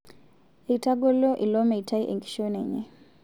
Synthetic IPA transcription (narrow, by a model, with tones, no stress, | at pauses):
e˨ita˦ɡɔ˦lɔ˦ʔi˨lɔ˦mɛ˨itʰa˦i˦ʔɛ̰˨ŋɡi̥˨ʃɔnɛɲɛ̰˦